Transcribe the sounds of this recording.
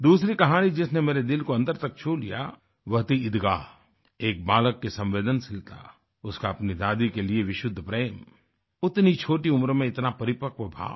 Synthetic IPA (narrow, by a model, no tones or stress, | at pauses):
d̪uːsɾikɐɦaːnid͡ʒɪsnemeːɾed̪ɪlkoɐ̃nd̪əɾt̪ɐk̚t͡ʃʰuːlḭja̰ | ʋɐɦt̪iɪd̪ɡaː | eːk̚baːləkːesɐ̃mʋeːd̪ənsɪlt̪a̰ː | ʊskaɐpnid̪aːd̪ikelieʋɪʃʊd̪ʱːpɾeːm | ʊt̪nit͡ʃʰoːʈiʊmɾmẽɪt̪napɐɾɪpəkʋəbʱa̰ː